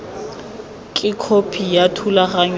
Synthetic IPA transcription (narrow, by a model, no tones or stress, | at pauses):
kʼɪkʰopʰijatʰulaχaɲw